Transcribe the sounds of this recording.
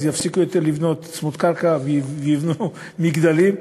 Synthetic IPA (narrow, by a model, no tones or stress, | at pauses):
jafsikujot̪eɾlivnot̪smut̪kaɾkavivivnu | miɡd̪alim